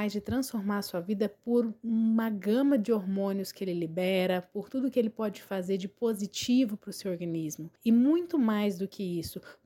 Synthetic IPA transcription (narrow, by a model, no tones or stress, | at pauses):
ajzd͡ʒɪt̪ɾɐ̃sfoɾmaɾɐsuɐvid̪ɐpoɾũmɐɡɐ̃mɐd͡ʒɪoɾmõnʊskɪelɪlibɛɾɐpoɾt̪ud̪ʊːkɪelɪpɔd͡ʒɪfazeɾd͡ʒɪpozit͡ʃivʊpɾʊsewoɾɡɐ̃nizmʊɪmũj̃t̪ʊmajzd̪ʊkʰɪisʊ